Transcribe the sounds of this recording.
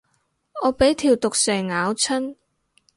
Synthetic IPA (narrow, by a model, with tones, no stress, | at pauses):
ɔː˨˧pe˨˥jt̪ʰiː˨˩wt̪ʊ˨k̚sɛː˨˩ŋŋaː˨˧˥wt͡sʰɵ˥n